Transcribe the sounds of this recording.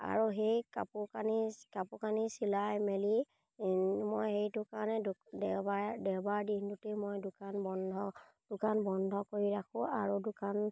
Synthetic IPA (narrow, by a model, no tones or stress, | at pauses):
a̰ɹuɦejka̰pukanikapʊkanisilajmeli | mojhejdʊkanɛdɛbadɛwbaɹdintutemojdʊkanbɔndʱɔ | d̥ʊkanbɔndʱɔkoɹiɹakʰʊ̃aɹudʊkan